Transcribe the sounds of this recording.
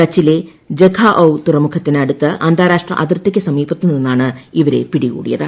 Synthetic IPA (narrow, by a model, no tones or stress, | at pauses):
kɐt͡ɕːile | d͡ʑeɡʰʱaːʔɐwt̪urɐmukʰɐt̪ːinɐɽut̪ːɨʔɐnd̪ʱaːɾaːʂʈrɐ̰ʔɐd̪rt̪ːekʲːɨsɐmiːbɐt̪ːunenːaːɳɨiʋɐɾe̞̰piɽikṵːɽḭjɐðɨ